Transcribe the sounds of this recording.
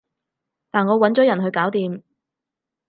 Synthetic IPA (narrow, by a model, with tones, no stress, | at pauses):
t̪aː˨nŋɔː˨˧wɐ˨˥nt͡ʃɔː˨˥jɐ˨˩nɦɵ˧ɥkaː˨˥wt̪iː˨m